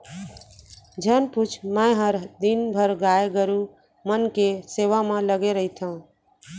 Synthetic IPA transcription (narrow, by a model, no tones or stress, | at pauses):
d͡ʒʱənput͡ʃʰmə̃ɦəɾd̪inbʱəɾɡaeɡəɾu | mənkeseʋamẽləɡeɾəɦit̪ʰə̃